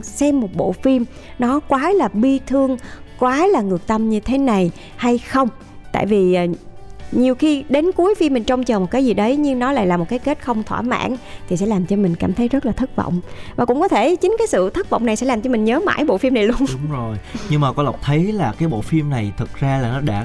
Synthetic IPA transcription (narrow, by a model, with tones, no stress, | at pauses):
sɛ˧mːo˨˩t̚ɓo̰˧˨fi˧m | nɔ˨˦kwaː˨˦laː˨˩ɓi˧t̪ʰɨ˧əŋ | kwaː˨˦laː˨˩ŋɨ˨˩ək̚t̪ə˧mɲɨ˧t̪ʰe˨˦na˨˩j | ha˧jxə˧wŋ͡m | t̪a̰ː˧˨jvi˨˩ʔːɲi˨˩əwxi˧ɗe˨˦nku˨˦əjfi˧mːi˨˩ŋ̟t͡ɕɔ˧wŋ͡mt͡ɕəː˨˩mo˨˩t̚kaː˨˦jzi˨˩ɗə˨˦jɲɨ˧ŋnɔ˨˦la̰ː˧˨laː˨˩mo˨˩t̚kaː˨˦jke˦˥t̚xə˧wŋ͡mt̪ʰwa̰ː˧˩ma̰ː˧˥nt̪ʰi˨˩sɛ̰˧˥laː˨˩mt͡ɕɔ˧mï˨˩ŋ̟kaː˧˩mt̪ʰə˨˦jzə˦˥laː˨˩t̪ʰə˦˥t̚və̰˧˨wŋ͡mvaː˨˩kʊ̰˧˥ŋ͡mkɔ˨˦t̪ʰe˧˩t͡ɕï˨˦ŋ̟kaː˨˦jsɨ̰˧˨t̪ʰə˦˥t̚və̰˧˨wŋ͡mna˨˩jsɛ̰˧˥laː˨˩mt͡ɕɔ˧mï˨˩ŋ̟ɲəː˨˦ma̰ː˧˥jɓo̰˧˨fi˧mna˨˩jlu˧əŋʊ˨˦ŋ͡mzo˨˩jɲɨ˧ŋmaː˨˩kɔ˨˦lə˨˩wk͡p̚t̪ʰə˨˦jlaː˨˩kaː˨˦jɓo̰˧˨fi˧mna˨˩jt̪ʰɨ˨˩k̚zaː˧laː˨˩nɔ˨˦ɗa̰ː˧˥